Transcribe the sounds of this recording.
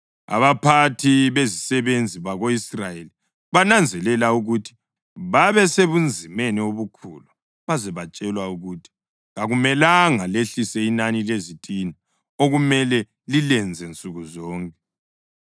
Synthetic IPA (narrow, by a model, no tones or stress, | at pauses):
a̰βapʰatʰiβezisɛβend͡zʱiβaɣoisrajeli | βanand͡zʱɛlɛlauɣutʰi̥ | βaβɛseβund͡zʱimenioβukʰṵlu | βazɛβat͡ʃʼɛlwauɣutʰi̥ | ɣaɣumɛlaŋaleɬisɛinanilezitʼina | oɣumɛlɛ | lilɛnd͡zʱɛnt͡sʼuɣuzɔːŋkʼɛ̥